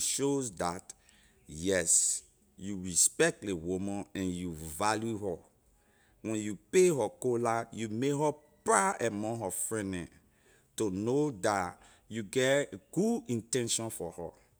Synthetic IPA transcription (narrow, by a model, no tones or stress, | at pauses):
ʃozdat | jɛs | juɹispɛk̚tlewumɔ̃nɛ̃njuvaljuɦɔ | wɛ̃njupeɦɔkolajumeɦɔpɹaɛmɔ̃ɦɔfɹɛ̃nɛ̃ | tonoda | juɡɛɡ̥udĩntɛ̃nʃɔ̃nfɔhɔ̰